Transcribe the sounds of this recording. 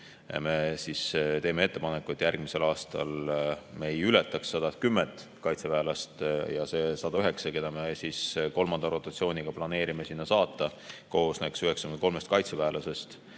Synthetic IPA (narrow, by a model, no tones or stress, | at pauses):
me̞sist̪e̞ːme̞e̞t̪ːe̞pɑnekːˑuet̪ʲːˑjærɡ̥mise̞lɑːst̪ɑ̰lmejylet̪ːˑɑksːɑd̪̥ɑt̪̚kymːent̪ˑ | kɑjt̪sevæːlɑst̪jɑse̞sɑd̪̥ɑyɦe̞ksɑke̞d̪̥ɑme̞sisko̞lmɑnd̪ɑɾo̞t̪ːˑɑt̪sio̞ːnʲiɡ̥ɑplɑne̞ːɾimesinːɑsɑːt̪ˑːɑko̞osnæksyɦe̞ksɑɡynd̪kolme̞st̪kɑjt̪sevæːlʔɑse̞st̪